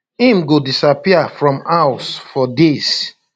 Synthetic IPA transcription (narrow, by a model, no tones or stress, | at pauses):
ĩmɡodisapiafɹɔ̃mawsfɔdes